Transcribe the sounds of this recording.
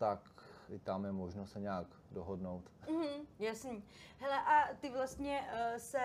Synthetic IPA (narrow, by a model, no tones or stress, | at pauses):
t̪akɪt̪amjɛmoʒnosɛɲɛaɡ | doɦodnowt̪m̩ɦm̩jasniː | ɦɛlɛʔat̪ɪvlast̪ɲɛsɛ